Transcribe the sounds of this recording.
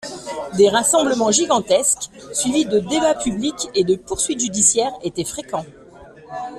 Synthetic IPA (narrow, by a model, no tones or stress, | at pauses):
d̪eʁasɑ̃bləmɑ̃ʒiɡɑ̃t̪ɛsksɥivid̪əd̪ebapyblikʲed̪əpuʁsɥit̪ʒyd̪isjɛʁet̪ɛfχekɑ̃